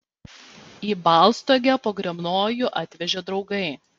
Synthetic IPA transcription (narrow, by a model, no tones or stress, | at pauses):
iːbɑˑlˠst̪oːɡʲæpoːɡɾʲɛmnoːjʊʔɑːt̪ʲʋʲɛʒʲoːd̪ɾɒʊɡɐɪ